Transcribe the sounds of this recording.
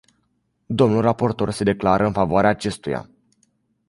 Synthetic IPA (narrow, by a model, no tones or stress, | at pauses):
d̪o̞mnulrapo̞rt̪o̞rse̞d̪e̞klaɾʔəɨnfavoaɾeaːt͡ʃe̞st̪uja̰